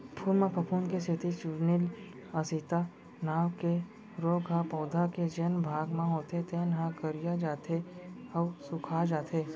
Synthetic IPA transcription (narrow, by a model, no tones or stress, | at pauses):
pʰuːlmẽpʰɐpʰuːnkeset̪ʰit͡ʃʊɾnil | ɐsit̪a | naːwke | ɾoːɡɦapɔːd̪ʱaked͡ʒenbʱaːɡmãɦoːt̪et̪eːnɦãkəɾijad͡ʒaːt̪ʰeɐwsʊkʰaːd͡ʒaːt̪ʰeː